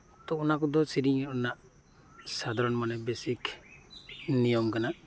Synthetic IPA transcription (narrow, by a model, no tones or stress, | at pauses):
t̪ɔːnakɔd̪ɔsiɾiŋɔnaʔ | sad̪ʱaɾɔnmanɛbesik | nijɔmkana